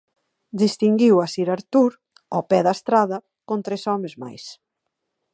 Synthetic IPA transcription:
d̪ist̪iŋɡiwasiɾaɾt̪uɾ | ɔpɛðast̪ɾaðɐ | kõnt̪ɾesɔmezma̰js

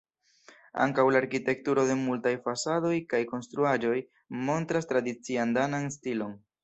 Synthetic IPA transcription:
a̰ŋkawlaːɾkite̞k̚tuɾo̞de̞multajfasado̞jkajko̞nst̪ɾuad͡ʒo̞j | mo̞ntɾastɾadit͡siandananstilo̞n

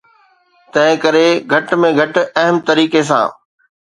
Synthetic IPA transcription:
t̪ɐ̃ɦɪ̃kɐɾeɡʱɐʈmẽɡʱɐʈɐɦəmt̪ɐɾiːkes̬ã̰ː

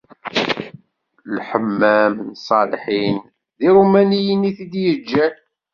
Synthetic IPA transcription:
lħəmːæmnsˤɑlħin | ðiɾumænijəniθid̪jəd͡ʒːæ

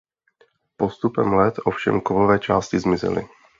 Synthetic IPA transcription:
po̞st̪upɛmlɛt̪ʔofʃɛ̰mkovovɛːt͡ʃaːscɪzmɪzɪ̰lɪ̰

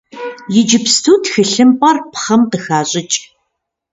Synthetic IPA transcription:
jɪd͡ʒɪpstʰuːtxɨɬɨmpʼɐrpχɐmtɨxaːɕʼɪt͡ʃʼ

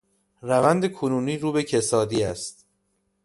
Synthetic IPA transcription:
rævænd̪e̞kʰonuːniːɾuːbe̞cʰesɒːd̪iːæst̪̚

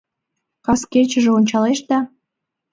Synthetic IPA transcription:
kɑskert͡ɕə̆ʒĕonʲt͡ɕɑleʃd̪ɑ

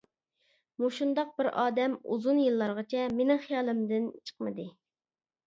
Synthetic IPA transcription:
muʃund̪ɑq̚bɪɾʔɑːd̪ɛmṵzunjɨlˠːɑɾʁɑt͡ʃʰɛmenɪ̃χijɑːlˠɨmd̪ɪnt͡ʃʰə̥qmɨd̪ɨ

